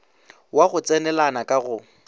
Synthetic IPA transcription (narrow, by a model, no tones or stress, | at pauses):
waɣʊt͡sʼɛnɛlanakʼaɣʊ